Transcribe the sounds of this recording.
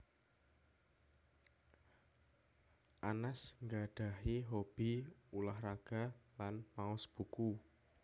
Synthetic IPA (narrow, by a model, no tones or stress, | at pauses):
ʔanasŋɡaɖ̥a̤ɦiɦob̥iulahraɡ̥a̤lanmaɔsb̥ṳku